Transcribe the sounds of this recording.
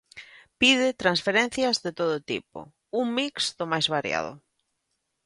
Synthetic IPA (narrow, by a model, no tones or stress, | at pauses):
piðɪt̪ɾansfeɾen̟θjɐzðet̪oðʊt̪ḭpʊ̰ | uŋmiksðʊmajzβaɾja̰ð̞ʊ̰